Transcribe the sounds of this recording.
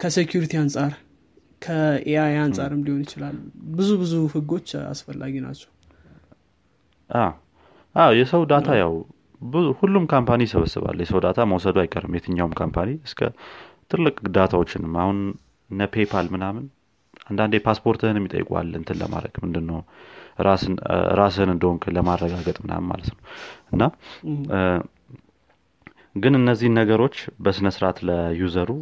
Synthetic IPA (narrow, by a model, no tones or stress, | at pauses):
kʰəsekʰjuɾit̪ʰiansʼaɾ | kʰəeajansʼaɾɨmliho̞njɪt͡ʃɪlalbɨzubɨzuhɨɡo̞t͡ʃːa̰sfəlːa̰ɡina̰t͡ʃːɛw | ʔaw | ʔawjɛsəwd̪at̪ʰajaw | bɨzuhulːumkʰampʰanisəβəsːɨ̰βa̰lːjɛsəwd̪at̪ʰaməwsəd̪uajkʼːəɾɨmjɛt̪ʰɨɲːawumkʰampʰaniɨskʰə̰t̪ʰɨlːɨkʼɡɨd̪at̪ʰawo̞t͡ʃːɪnɨmːahun | nːəpʰe̞pʰalmɨnamɨn | and̪and̪epʰaspʰo̞ɾt̪ʰɨhɨnmjɪt̪ʼə̰jːɪ̰kʼua̰lːɨ̰nt̪ʰɨnlə̰ma̰ɾə̰ɡ̥mɨnd̪ɨnːəwɾasɨn̰ɾas̬ɨɨnɨnd̪əhoŋkʰɨləmarːəɡaɡət̪ʼmɨna̰mɨnma̰lət̪nəwʔɨnːa | ɡɨnɨnːəzːihnːəɡəɾo̞t͡ʃːbəsɨnəsɨɾat̪ləjuzəɾu